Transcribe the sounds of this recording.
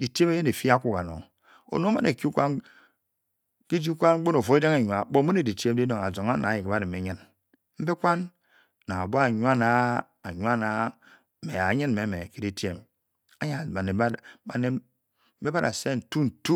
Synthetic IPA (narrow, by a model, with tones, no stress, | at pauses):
i˨te˦me˦je˦ne˨fi˦a˦kʷu˨ka˨no̰˨ŋ | o̰˨no˦ma̰˦ne˨ki˦u˦kʷa˦n | ki˦d͡ʒi˦kʷa˦nŋ͡m̩˦o˦no˨fo˨e˦da˦ŋe˨ɲu˨a˨˦ɓo˦mu˦ne˨di˨tje˦m˦di˦no˨ŋa˨zo˨ŋa˦na˨ji˨ke˨ba˦ɾi˨me˨˦ɲɨ˦n | m̩˦be˦kʷa˦nː | a˨ŋa˨bo˦a˦˨ɲwa˦na˨ | a˨ɲ˦a˦na˨˦ | me˨a˨˦ɲɨ˦n˨me˨˦me˨ki˦di˦te˦m | a˦ɲa˨ba˨ne˨˦a˨ne˨˦ | be˦ba˦ɾa̰˨se˦n̩˨tu˦n̩˨tu˦